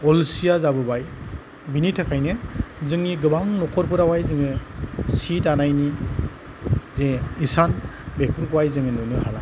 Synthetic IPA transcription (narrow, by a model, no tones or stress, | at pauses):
ɔlsijazabɯbaj | binitʰɯkʰajnɯzɯŋniɡɯbaŋnɔkʰɔɾpʰɯɾawajzɯŋɯsitanajni | zeisanbek̚ʰpʰuɾɡuwajzɯŋɯnunɯhala